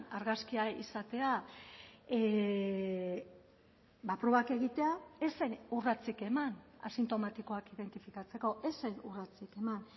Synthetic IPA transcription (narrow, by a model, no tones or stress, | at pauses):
aɾɣaskiaḭsat̪e̞a | e | bapɾo̞βake̞ɣ̞it̪e̞aesenurat͡sike̞mana̰sint̪o̞mat̪iko̞akiðe̞nt̪ifikat͡se̞ko̞ʔe̞sejnurat͡sike̞man